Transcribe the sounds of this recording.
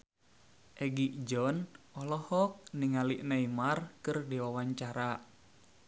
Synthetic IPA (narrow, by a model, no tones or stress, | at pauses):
ʔɛɡiʔd͡ʒɔnʔɔlɔhɔk̚niŋaliʔnaimarkɨrdiwawaɲt͡ʃaɾa